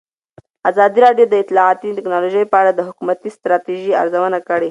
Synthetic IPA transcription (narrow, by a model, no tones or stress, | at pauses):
azɑd̪iɾɑɖjod̪əɪt̪lɑat̪iʈɪknɑloʒəjpəaɽad̪əɦʊkumat̪ist̪ɾɑt̪iʒia̰ɾzawənakəɽe